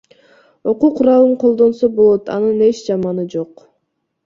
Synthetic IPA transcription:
o̞quqʰuɾɑlˠɯɴqʰo̞lˠd̪o̞nso̞bo̞lˠo̞t̪ɑ̰nɯne̞t͡ʃd͡ʒɑmɑnɯd͡ʒo̞q

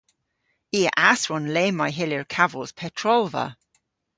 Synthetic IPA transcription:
iːəʔasɹɔnleːmajɦɪljəɹkʰavəlˠz̥pʰɛtʰɹɔlˠvə̰

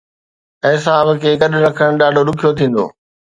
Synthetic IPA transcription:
ɦɪs̬aːbkʰeːɡɐɗɾɐkʰəɽ̃ɗaːɖʱoɗʊkʰijot̪ʰĩːn̆d̪o̰ː

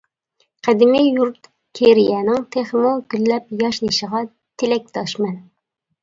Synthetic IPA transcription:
qʰæd̪ɪmijuɾt̪ | kʲʰeɾijɛnɪŋt̪ʰeχmuɡʲylːɛp̚jɑʃniʃəʁɑ | t̪ʰelɛk̚ʲt̪ʰɑʃmɛn

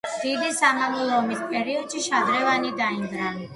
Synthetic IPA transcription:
d̪̥id̪isamamulˠɔːmispʼɛɾiɔd̪̥ʃiʃad̪ɾɛvanid̪aind̪ɾan

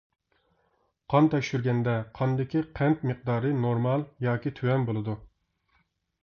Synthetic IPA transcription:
qʰɑnt̪ɛʃyɾɡʲɛnd̪ɛqʰɑnd̪ɪkʲiqʰɛnt̪mɨq̚d̪ɑːɾɨnoɾmɑlˠjɑːkʲit̪ʰywɛnbolˠɨd̪u

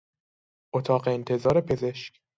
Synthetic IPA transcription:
ʔot̪ʰɒːɢeːnt̪ʰe̞zɒːɾe̞pʰe̞zeʃc

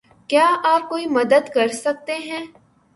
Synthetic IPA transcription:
kjaːaːp̚koːimɐd̪əd̪kɐɾsɐk̚t̪eɦɛ̃ː

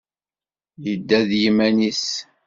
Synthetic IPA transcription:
jəd̪ːæðjimænis

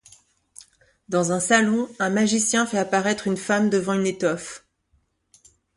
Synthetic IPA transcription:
d̪ɑ̃zɛ̃salɔ̃ɛ̃maʒisjɛ̃fɛapaʁɛt̪χynfamd̪əvɑ̃ynet̪ɔf

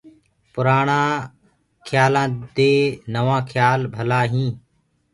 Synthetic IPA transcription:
pʊɾaːɳãː | kʰjaːlãːd̪eːnəʋãːkʰjaːlbʱəlaːɦĩː

